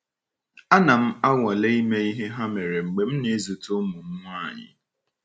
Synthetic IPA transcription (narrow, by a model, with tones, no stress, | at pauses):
a˦na˨m̩˦a˦ŋʷa˨le˦i˦me˦i˦ɦe˦ɦa˦me˨ɾe˨ŋ͡m̩˨ɡ͡be˨m̩˦ne˨˦zu˨tʊ˦mu˨m̩˦ŋʷ˦a˦˨ɲɪ̰˨